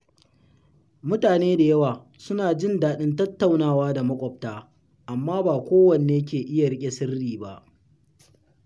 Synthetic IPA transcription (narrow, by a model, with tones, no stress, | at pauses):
mʊ˦taː˨neː˦da˨jɐ˦waː˨ | sʊ˦naː˨d͡ʒɪ˦˨ndaː˨ɗɪ˦ntɐ˦tːa˨wnaː˦˨waː˦da˨mɐ˦kʷʼɔ˨p̚taː˦ | ʔa˨mːaː˦baː˨kʷoː˦wɐ˨ne˨eː˦kʲeː˨ʔɪ˦ja˨ɾɪ˦kʲʼe˨sɪ˦rːiː˨ba˦ʔ